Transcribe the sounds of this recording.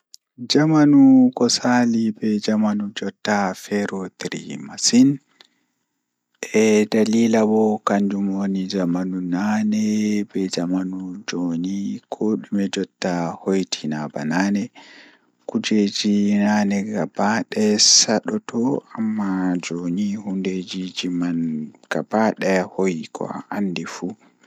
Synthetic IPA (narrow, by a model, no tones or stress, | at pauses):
d͡ʒamanukɔsalibɛd͡ʒamanud͡ʒɔtːafɛɾɔt̪iɾḭmasin | ʔɛdaliːlabɔkand͡ʒumwonid͡ʒamanunanɛbɛd͡ʒamanud͡ʒonikʰoːɗumɛd͡ʒɔtːahojtʰinaba̰nanɛ | kud͡ʒed͡ʒinanɛɡabaɗɛsaɗɔtʰɔamːad͡ʒonihunded͡ʒid͡ʒimanɡ̥abaɗɛhojkʰɔ̰ʔandifu